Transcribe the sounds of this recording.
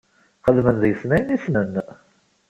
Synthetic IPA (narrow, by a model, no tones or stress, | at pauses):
χəðmənðjəsnæjnisnənː